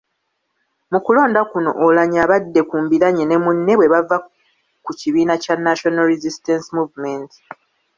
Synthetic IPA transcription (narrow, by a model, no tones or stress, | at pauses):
mukulo̞ːndakuno̞̰ʔolaɲaːβadːe̞kuːmbiɾaɲene̞munːe̞βwe̞βava | kuciβiːnacanːaʃo̞naɾizistensimuːvmenti̥